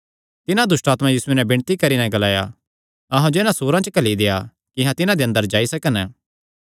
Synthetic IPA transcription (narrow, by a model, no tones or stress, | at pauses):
t̪ɪnãd̪ʊsʈaːt̪mãjiːsunɛbɪ̃ɳ̃t̪ikɐɾinɛ̃ɡɐlaːja̰ | ɐɦãd͡ʒɪnãsoːɾãt͡ʃəkɐlid̪eja | kɪɦãt̪ɪnãd̪eːɐ̃nd̪əɾd͡ʒaːisɐkən